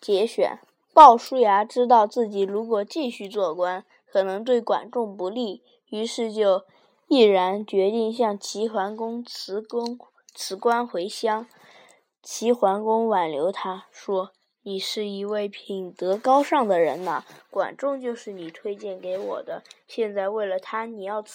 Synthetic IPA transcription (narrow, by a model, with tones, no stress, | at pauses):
t͡ɕjɛ˧˥ɕɥɛ̰˨˩˦n | pɑ˥˩ʊʂu˥ja˧˥ʈ͡ʂɻ̩˥t̪ɑ˥˧ʊt͡sɹ̩˥˩t͡ɕi˨˩ɻu˧˥kwɔ˨˩t͡ɕi˥˧ɕy˥˧t͡swɔ˥˩kwa˥n | kʰɤ˨˩nɤ˧˥ŋt̪we˥˩ɪkwa̰˨˩nʈ͡ʂʊ˥˩ŋpu˧˥li˥˩ | y˧˥ʂɻ̩˥˧t͡ɕjo˥˧ʊ | i˥˩ɻa˧˥nt͡ɕɥɛ˧˥t̪i˥˧ŋɕjɑ˥˩ŋt͡ɕʰi˧˥xwa˧˥nkʊ˥ŋt͡s̩ʰ˧˥ŋ | t͡sʰɹ̩˧˥kwa˥nxwe˧˥ɪɕjɑ˥ŋ | t͡ɕʰi˧˥xwa˧˥nkʊ˥ŋwa˨˩nljo˧˥ʊt̪ʰa˥ʂwɔ˥ | ni˨˩ʂɻ̩˥˩i˧˥we˥˩ɪpʰi˨˩nt̪ɤ˧˥kɑ˥ʊʂɑ˥˩ŋd̪ə˩ɻə̰˧˥nə˧kwa̰˨˩nʈ͡ʂʊ˥˧ŋt͡ɕjo˥˧ʊʂɻ̩˥˩ni˨˩t̪ʰwe˥ɪt͡ɕjɛ˥˩nke˧˥ɪwɔ̰˨˩d̪ə˦ɕjɛ˥˧nt͡sa˥˧ɪwe˥˩ɪlə˩t̪ʰa˥ni˨˩jɑ˥˩ʊ